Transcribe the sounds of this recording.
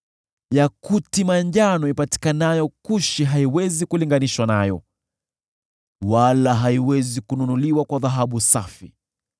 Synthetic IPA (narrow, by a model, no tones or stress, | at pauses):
jakutimaɲʄanɔipati̥kanajɔkuʃiɦaiwɛzikuliŋɡaniʃwanajɔ̰ | walaɦaiwɛzikununuliwakwaðaɦaɓusafi